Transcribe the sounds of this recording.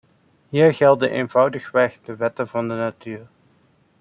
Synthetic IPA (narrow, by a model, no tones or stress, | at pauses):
ɦiːɹχɛlˠdənʔeːnv̥ʌwdəχʋɛχdəʋɛtəvɑndənatyːɹ